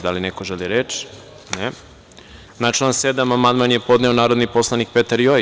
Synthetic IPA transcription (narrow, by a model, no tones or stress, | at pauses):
d̪alinekoʒeliɾet͡ʃ | ne | nat͡ʃlansed̪amamand̪manjepo̞d̪neonaːɾo̞d̪nipo̞slˠanik̚pet̪aɾjo